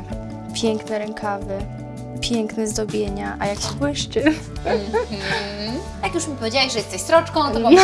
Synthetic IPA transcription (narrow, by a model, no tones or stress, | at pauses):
pʲjɛŋknɛɾɛŋkʰavɘ | pʲjɛŋknɛzd̪ɔbʲjeɲaʔajakɕi̥pwɪʂt͡ʂɘ | jakjuʂmʲipɔvʲed͡ʑawɛɕʐɛjɛst̪ɛɕsɾɔt͡ʂkɔ̃w̃nt̪